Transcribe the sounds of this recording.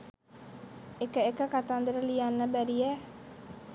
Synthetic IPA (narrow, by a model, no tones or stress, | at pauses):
ekəekəkat̪and̪əɾəlijanːəbæɾijɛ